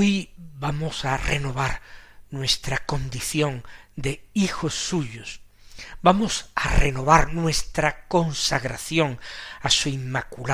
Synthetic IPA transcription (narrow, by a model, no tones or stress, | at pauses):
ojbamosare̞no̞βaɾnwe̞st̪ɾako̞nd̪iθjõ̞nd̪e̞ixo̞sːuʎos | bamo̞sa̰reno̞βaɾnwe̞st̪ɾako̞nsaɣɾaθjo̞ŋasuimmːakula